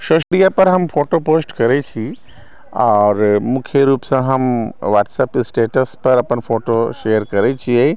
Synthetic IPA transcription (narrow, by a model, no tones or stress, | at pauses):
ʃoʃɾijapɐɾɦɐmfʰoːʈopoːsʈkɐɾet͡ʃʰi | ɔːɾmʊkʰjeɾuːpsãɦɐmʋaːʈsɐpɪsʈeːʈəspɐɾɐpənfʰoːʈoʃejəɾkɐɾet͡ʃʰie